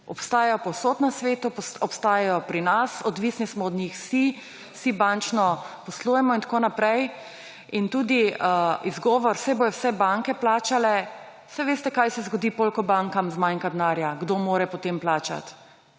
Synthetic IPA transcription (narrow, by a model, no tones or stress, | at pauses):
ɔpst̪aːjɛjɔpɔwsoːt̪nasʋeːt̪uɔpst̪aːjɛjɔpɾinasɔd̪ʋisnismɔːd̪ɲixsi | sibant͡ʃnɔpɔslujɛmɔint̪koːnapɾɛj | int̪uːd̪iəizɡɔːʋɔɾsɛbojɔwsɛbaŋkɛplaːt͡ʃalɛ | wsɛʋeːst̪ɛkajsɛzɡɔd̪iːpolkɔbaŋkamzmajŋkad̪naːɾjaɡd̪omoːɾɛpɔt̪eːmplaːt͡ʃa̰t̪